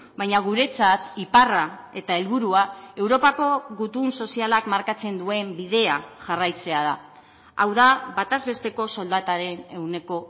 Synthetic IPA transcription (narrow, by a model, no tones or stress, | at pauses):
bajɲaɣ̞uɾe̞t͡sat̪iparae̞t̪ae̞lβuɾuae̞wɾo̞pako̞ɣut̪unso̞sialakmaɾkat͡se̞nd̪ue̞mbið̞e̞aʝarajt͡se̞aða | awðaβat̪azβe̞st̪e̞ko̞so̞ld̪at̪aɾe̞ne̞ɣune̞ko̞